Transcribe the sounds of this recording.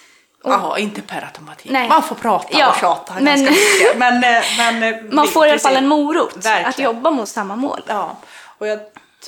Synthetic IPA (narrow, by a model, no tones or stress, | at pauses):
ʔɔɪnt̪əpʰaɾa̰t̪ʰʊmpat̪ʰinɛmanfoːpʰɾɑːt̪jɑːɕɑːt̪amɛnmɛnmɛnmanfoːɾɪalafalːɛnmuːɾuːt̪æɾat̪jɔbːamʊt̪samːamo̰ːlː | ɔjɑ